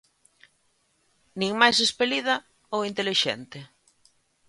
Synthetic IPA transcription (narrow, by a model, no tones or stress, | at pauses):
nĩŋmajsespeliðɐ | oint̪eliʃɛ̰nt̪ɪ